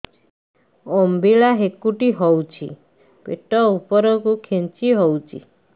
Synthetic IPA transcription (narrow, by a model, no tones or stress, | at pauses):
ɔmbʱilaɦekuʈiɦɔwt͡ʃʰḭ | peʈɔupɔɾɔkukʰent͡ʃiɦɔwt͡ʃʰḭ